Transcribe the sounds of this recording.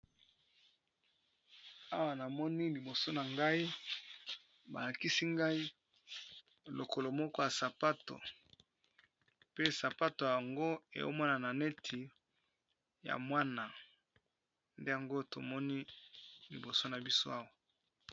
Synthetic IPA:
a˦wa˨na˨mɔ˦ni˦li˨bo˨so˦na˨ŋɡa˦i˦ | ba̰˨la˨ki˦si˦ŋɡa˦i˦ | lo˨kʰo˨lo˨mɔ˦kɔ˦ja˨sa˨pa˦to̰˨ | pe˦sa˨pa˦to˨ja˨ja˨ŋɡo˦ḛ˨jo̰˦mwa˦na˨na˨ne˦tʰi˨ | ja̰˨mwa˦na˨ | nde˦ja˨ŋɡo˦to̰˨mɔ˦ni˦lḭ˨bo˨so˦na˨bi˦so˦a˦wa˨

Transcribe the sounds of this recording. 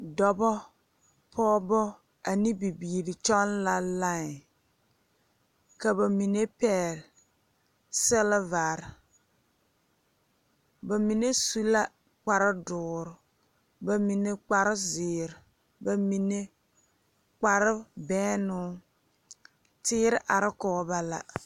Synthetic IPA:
dɔ˨bɔ˦ | pʰɔː˦bɔ˦ | a˨ni˦bi˨biː˨ɾi˨t͡ʃɔ˦n˦la˨la˦ŋ˨ | ka˨ba˨mi˨ne˦pɛ˦˨l | sɛ˦lva˨ɾ | ba˨mi˨ne˦su˦la˦ | k͡pa˨ɾɪ˦dʊː˨ɾʊ˨ | ba˨mi˨ne˦k͡pa˨ɾɪ˦zɪː˨ɾɪ˨ | ba˨mi˨ne˦ | k͡pa˦ɾɪ˦bɛː˦nʊ˦ | tɪː˦ɾɪ˦ʔa˨ɾɪ˦kɔː˨˦ba˦la̰˨

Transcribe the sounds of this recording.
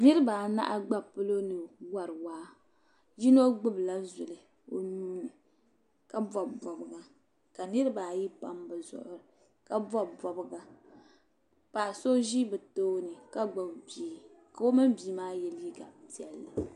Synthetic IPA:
nɨ˦ɾɨ˦baː˨na̰˦ʔa˦ɡ͡ba˦pɨ˦lo˦nɨ˨wa˨ɾɨ˨waː˦ | ʒi˦no˦ɡ͡bɨ˦bla˦zʊ˨lɨ˨ | o˨nuː˦nɨ˨ | ka˦bɔ˨bɔ˨bɨ˨ɡa˨ | ka˨nɨ˦ɾɨ˦baː˨ji˦pa̰˦mbɨ˨zʊ̰˨ʔʊ˦ɾɨ˨ | ka˦bɔ˦bɔ˨bɨ˦ɡa˨ | pa˨so˦ʒi˦bɨ˨toː˦nɨ˨ka˦ɡ͡ba˨bbi˨˦ | ka˨o˦mɨ˦mbi˨˦maː˦jɛ˨lji˦ɡa˨pi˨ɛ˨lːɨ˨

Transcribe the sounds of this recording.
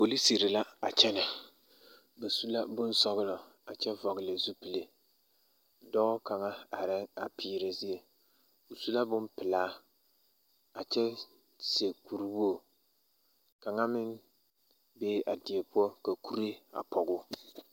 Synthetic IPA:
po˨li˦si˨ɾɪ˨la˦a˨t͡ʃɛ˦nɪ˨ | bɛ˨su˦la˦bʊ˦nsɔ˦ɣʊ˦lɔ˨ | a˨t͡ʃɛ˦vɔ˨ɣɪ˨lɪ˨zu˦pi˨le˨ | dɔ˦ka˨ŋa˦a˨ɾɪ˦ŋa˨pʰiː˨ɾe˨zi˦e˨ | o˨su˦la˦bʊ˦mpɪ˨laː˦ | a˨t͡ʃɛ˦ | se˨ku˨ɾi˦bu˦o˨ | ka˨ŋa˦mɪ˦n | beː˦ʔa˨dɪ˨e˨pʊ˦ɔ˦ka˨ku˦ɾe˦a̰˨pɔ˨ɡʊ˦

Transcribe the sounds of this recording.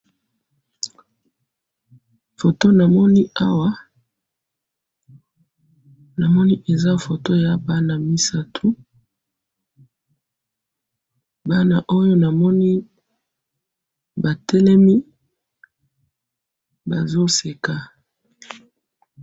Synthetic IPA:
fo˨to˦na˨mɔ˦ni˦a˦wa˦ | na˨mɔ˦ni˦ʔe˨za˦fo˨to˦ja˨˦ba˦na˨mi˦sa˦tʰu˦ | ba˦na˨ʔo˦jo˦na˨mɔ˦ni˦ | ba˨tɛ˦lɛ˦mi˦ | ba˨zo˦se˨ka˨

